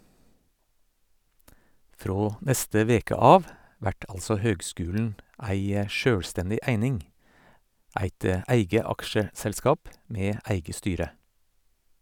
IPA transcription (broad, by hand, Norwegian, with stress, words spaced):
ˈfɾoː ˈnɛstə ˈʋeːkə ˈɑːʋ ˈʋæʈ ˈɑlsɔ ˈhøːɡˌskʉːln̩ ˈæɪ ə ˈʃøːɽˌstɛndɪ ˈæɪnɪŋ ˈæɪt ə ˈæɪɡə ˈɑkʃəsɛlˌskɑːp ˈmeː ˈæɪɡə ˈstyːɾə